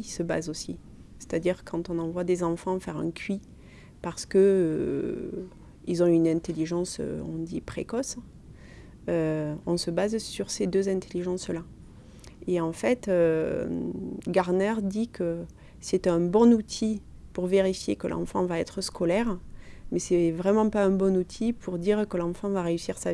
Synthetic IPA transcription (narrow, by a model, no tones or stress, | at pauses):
səba̰zosi | se̥t̪ad̪iʁkʰɑ̃t̪ɔ̃nɑ̃vwad̪ezɑ̃fɑ̃fɛʁɛ̰̃kʰʲɥi | paʁsə̥kəø | ilzɔ̃ynɛ̃t̪eliʒɑ̃sø̰ɔ̰̃d̪ipχekɔs | øɔ̃səbazsyʁsed̪øzɛ̃t̪eliʒɑ̃sla | eɑ̃fɛt̪ø | ɡaʁnɛʁd̪ikʰə | sɛt̪ɛ̃bɔ̃nut̪ʰipuʁveʁifjekəlʔɑ̰̃fɑ̃vaɛt̪χəskʰɔlɛʁmɛsɛvʁɛmɑ̃paɛ̃bɔ̃nut̪ʰipʰuʁd̪iʁkəlɑ̃fɑ̃vaʁeysiʁsa